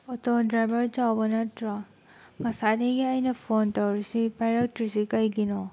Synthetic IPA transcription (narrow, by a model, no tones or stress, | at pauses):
ɔtɔdɾajbɐɾd͡ʒawbɐnatɾa | ŋɐsadiɡiajnɐpʰontawɾisipajɾak̚tɾisikajɡinɔ